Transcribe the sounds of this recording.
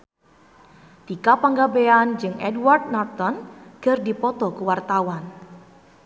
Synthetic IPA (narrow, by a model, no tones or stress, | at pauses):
t̪ikapaŋɡabeand͡ʒɨŋɛdward̚nat̪ɔnɡ̥ərdipɔt̪ɔkuwart̪awan